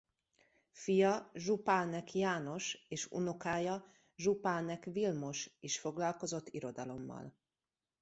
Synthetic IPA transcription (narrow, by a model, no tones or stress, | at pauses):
fijɒʒupaːnɛkjaːno̞ʃeːʃṵnokaːjɒ | ʒupaːnɛkʋilmo̞ʃiʃfo̞ɡlɒlko̞zo̞t̪ːiɾo̞d̪ɒlo̞mːɒ̰l